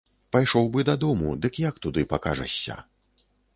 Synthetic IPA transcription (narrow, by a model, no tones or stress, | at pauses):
pajʂɔwbɨd̪ɐd̪ɔmṵd̪ɨkjakt̪ud̪ɨpakaʐɐ̰sʲːɐ̰